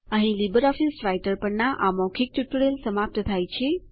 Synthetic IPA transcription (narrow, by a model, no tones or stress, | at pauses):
əɦĩlibəɾɔfisɾajʈəɾpəɳnaʔamɔkʰik̚ʈuʈuɽelsəmap̚t̪t̪ʰajt͡ʃʰe